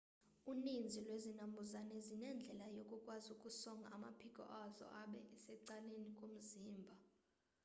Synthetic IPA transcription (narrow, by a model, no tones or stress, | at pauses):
unind͡zʱilwezinambʱuzanɛzinɛnd͡ɮʱɛlajokʼukʼwazukʼusɔŋɡʱaama̰pʰikʼɔ̰ʔazɔ̰ʔaɓɛʔɛsɛǀalenikʼom̩ziːmbʱa